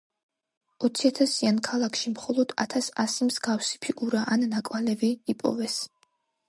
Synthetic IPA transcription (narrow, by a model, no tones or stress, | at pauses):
ɔt̪sʰiat̪ʰasiankʰalˠakʰʃimχɔlˠɔd̪a̰t̪ʰasa̰simzɡafsi̥pʰikʼuɾaʔannakʼwalɛviːpʼɔ̰vɛs